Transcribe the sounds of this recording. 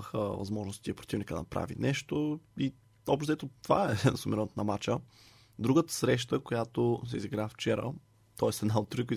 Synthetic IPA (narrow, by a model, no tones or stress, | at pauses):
əxə̰vɐ̰zmɔʒnost̪iɐpɾo̥t̪ivnikəd̪̰nɐpɾa̰vḭnɛʃt̪oi | ɔbʃt̪t̪ɛt̪ot̪ova̰ɛnsumɛɾɔnt̪nɐmat͡ʃə | d̪ɾuɡət̪ə̥sɾɛʃt̪əkojat̪os̬ɛ̰iziɡɾaft͡ʃɛɾə̰ | t̪ɔɛsɛd̪naot̪ːɾiki